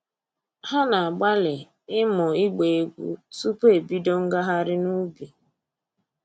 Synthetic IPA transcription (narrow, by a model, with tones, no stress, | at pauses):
ha˦na˨a˨ɡ͡ba˦lɪ˨ | ɪ˦mɔ˨i˦ɡ͡be˨e˨ɡʷṵ˦su˦pe˨bi˦dɔ˦ŋ̩˦ɡa˦ɦa˦ɾɪ˦nu˦bi˨